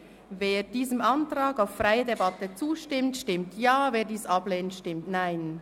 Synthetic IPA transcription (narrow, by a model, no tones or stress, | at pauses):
veːɾd̥iːzəmʔɑntʁaːɡaʊfraɪədebɑtət͡suːʃtɪmtʃtɪmtʰjaːveːɐdiːsʔɑbleːntʃtɪmtnaɪn